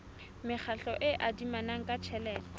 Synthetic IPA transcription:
mɪχʰaɬɔʔɪʔadimanaŋ̩kʼat͡ʃʰɛlɛːlɔ

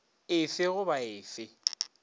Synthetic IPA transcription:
ɪfɪɣʊbaɪːfɪ

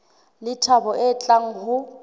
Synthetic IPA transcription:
lɪtʰabɔʔɛːt͡ɬʼaŋ̩hʊ

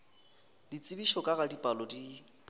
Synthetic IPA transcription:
dit͡sʼɪbiʃɔkʼaɣadipʼalɔdi

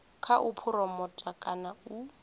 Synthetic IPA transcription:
kʰaʔʊpʰʊɾɔmɔtʼakʼanau

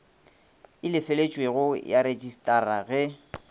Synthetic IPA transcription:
ɪlɪfelet͡ʃʼweɣʊjaɾed͡ʒʼistʼaraɣɛ

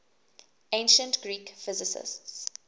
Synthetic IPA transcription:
ẽɪ̃nʃə̃ntɡ̥ɹiːkfɪzɪsɪ̰sts

